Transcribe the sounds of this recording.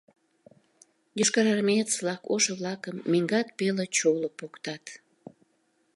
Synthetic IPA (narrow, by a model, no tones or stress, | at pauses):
joʃkɑɾɑrmet̪t͡slɑko̰ʃəβlɑkəmːeŋɡɑt̪̚pelət͡ɕolopokt̪ɑt̪